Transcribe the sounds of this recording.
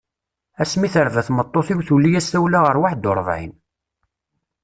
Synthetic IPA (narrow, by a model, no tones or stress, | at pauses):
æsmiθəɾvæθmət̪ˤːoθɪwθulːijæsæwlaʁəɾwaħd̪oɾˤvˤʕḭn